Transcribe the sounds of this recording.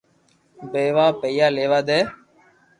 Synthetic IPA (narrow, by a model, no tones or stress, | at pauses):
beːʋaːpeijaːleːʋaːd̪eː